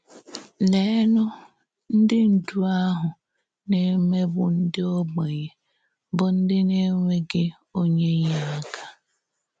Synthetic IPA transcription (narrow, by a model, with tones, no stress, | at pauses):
le˨˦nʊ˦ | n̩˦dɪ˦n̩˨du˦a˦ɦʊ˨ | ne˦me˦bʊ̰˨n̩˦dɪ˦o˦ɡ͡be˨je˨ | bʊ˨n̩˦dɪ˦ne˦ŋʷe˦ɡɪ˦ | o˦ɲe˦ɲa˨˦a˦ka˦